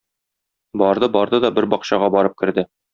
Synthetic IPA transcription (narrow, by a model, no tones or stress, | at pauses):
bɒɾd̪ɤbɒɾd̪ɤd̪ɒbɘɾbɒqɕɑʁɑbɒɾɤp̚kɘ̆ɾd̪ɘ